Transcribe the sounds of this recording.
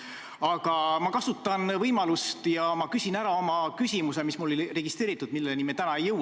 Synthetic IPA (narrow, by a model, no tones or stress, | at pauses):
ɑɡ̥ɑmɑkɑsut̪ːˑɑnvɤjmɑlust̪jɑmɑkysʲinæɾɑo̞mɑkysʲimuse̞mismulo̞lire̞ɡ̥ist̪ɾe̞ːɾit̪ːˑud̪̥milːelnimet̪ænɑejːɤw